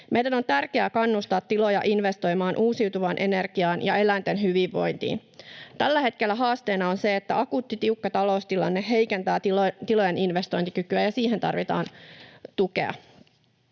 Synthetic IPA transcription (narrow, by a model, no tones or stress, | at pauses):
mejdæno̞nt̪ærkeækɑnːust̪ɑːt̪ːilo̞jɑʔinʋe̞st̪o̞jmɑːnʔuːsiwt̪uʋɑnʔe̞ne̞rɡ̥iɑːnjɑ̰e̞lænt̪enɦyʋiʋːo̞̰jnt̪ḭːn | t̪ælːæhe̞t̪ke̞lːæɦɑːst̪eːnɑo̞nse̞et̪ːæɑkuːt̪ːit̪iukːɑt̪ɑlo̞ust̪ilɑ̰nːeɦe̞jkent̪æːt̪it̪ilo̞jeninʋest̪o̞jnt̪ikykyæjɑsiːɦent̪ɑ̰rʋit̪ɑ̰ːnt̪ukḛɑ̰